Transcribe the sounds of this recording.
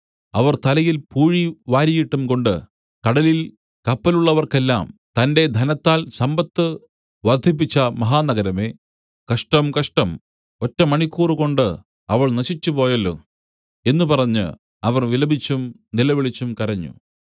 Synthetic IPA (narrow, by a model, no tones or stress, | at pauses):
ɐʋɐrt̪ɐlɐjilpuːɻiʋaːɾijiʈːumko̞ɳɖɨ | kɐɽɐlil | kɐpːɐluɭːɐʋɐrke̞lːa̰ːmt̪ɐnde̞d̪ʱɐnɐt̪ːaːlsɐmbɐt̪ːɨ | ʋɐrd̪ʱip̬ːit͡ɕːɐmɐɦaːnɐɡɐɾɐme̞ː | kɐʂʈɐmkɐʂʈɐm | o̞tːɐmɐɳikʲːuːrɨko̞ɳɖɨ | ɐʋɐɭnɐɕit͡ɕːupo̞ːjɐlːo̰ː | e̞nːupɐrɐɲːɨ̰ | ɐʋɐrʋilɐbʱit͡ɕːum | nilɐʋiɭit͡ɕːumkɐɾɐɲːṵ